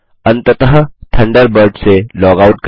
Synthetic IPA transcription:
ɐ̃nt̪ət̪əɦət̪ʰɐ̃ɳɖəɾbəɾɖselɔːɡaʊʈ̚k

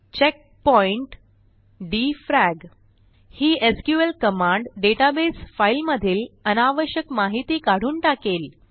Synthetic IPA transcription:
t͡ɕek̚pɔiɳʈ | ɖifɾæɡ | hiːʔeskjuelkəmãɳɖɖeʈabesfailməd̪ʱiːlənaʋəɕjəkmaɦit̪iːkaɽ̤uːnʈakel

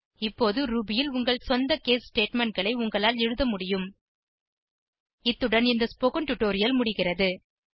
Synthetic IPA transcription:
ɪpːoːðɯɾuːbɪjɪlʊŋɡɐɭsɔnd̪ɐkeːssʈeːʈmɛɳʈ̚ɡɐɭɐɪʊŋɡɐɭaːlɛɻɯðɐmʊɽɪjɯm | ɪt̪ːɯɽɐnɪnd̪ɐspɔkɐnʈʊʈːoːɾɪjɐlmʊɽɪɣɪrɐðɯ

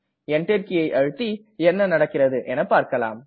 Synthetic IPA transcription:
ɛɳɖɛɾkɪjɐɪʔɐɻɯt̪ːi | ɛnːɐnɐɽɐkːɪrɐðɯʔɛnɐpːaːɾkɐla̰ːm

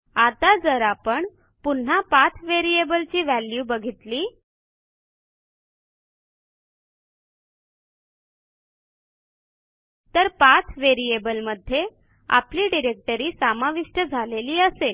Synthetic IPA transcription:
at̪ad͡zəɾapəɳ | pun̤apat̪ʰʋeɾiebəlt͡ɕiːʋæljubəɡʱit̪liː | t̪əɾpat̪ʰʋeɾiebəlməd̪ʱːje | a̰pliːɖiɾek̚ʈəɾiːsamaʋiʂʈəd͡zʱaleliːəsel

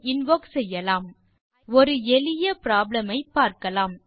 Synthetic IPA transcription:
ɪnʋoːksɛjːɐlaːm | ɔɾɯɛlɪjɐpɪɾaːblɐmɐɪpːaːɾkɐlaːm

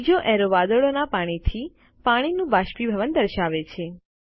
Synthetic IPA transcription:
d͡ʒoʔɛɾoʋad̪oɭonapaɽ̃it̪ʰi | paɽ̃inũbaʃpibʱəʋənd̪əɾʃaʋet͡ʃʰe

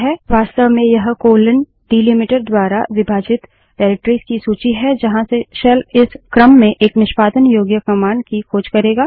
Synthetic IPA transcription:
ɦɛːʋaːst̪əʋmẽjɐɦkoːlən | ɖiːlimɪʈəɾd̪waːɾa̰ʋɪbʱaːd͡ʒɪt̪ | ʈɛːɾɪk̚ʈɾiːskisuːt͡ʃiɦɛd͡ʒɐɦãseʃɐlɪskɾəmːẽʔeːknɪʃpaːd̪ənjoːɡjəkɐmaːɳɖkikʰoːd͡ʒkɐɾeːɡaː

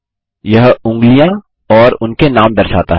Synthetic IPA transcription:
jɐɦʊ̃ŋɡlijã | ɔːɾʊnkenaːmdɐɾsaːt̪a̰ɦ

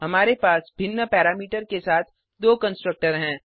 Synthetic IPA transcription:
ɦɐmaːɾepaːsbʱɪnːəpɛːɾaːmiːʈəɾkesaːt̪ʰ | d̪oːkə̃nsʈɾək̚ʈəɾɦɛ̃ː

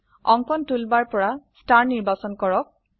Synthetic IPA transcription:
ɔŋkɔntulbaɹpɔɹastaɹniɹbasɔnkɔɹɔk̚

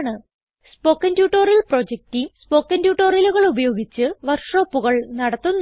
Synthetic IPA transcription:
ɳɨ | spo̞ːkːɐntjuːʈːoːɾjilpro̞d͡ʑek̚timspo̞ːkːɐndjuːʈːoːrjɐluɣɐɭubɐjo̞ːɡit͡ɕːɨʋɐrʂo̞ːpːuɣɐɭnɐɽɐt̪ːunː

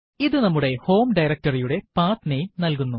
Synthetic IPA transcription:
iðɨnɐmːuɽe̞ho̞ːmɖɐjɾɐk̚tɐrijuɽe̞paːt̪nɐjumnɐlkunːu

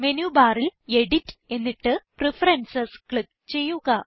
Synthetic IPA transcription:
menjubaːrileɽitːe̞nːiʈːɨprifɐɾensɐskɭik̚ | t͡ɕe̞jːuɣɐ

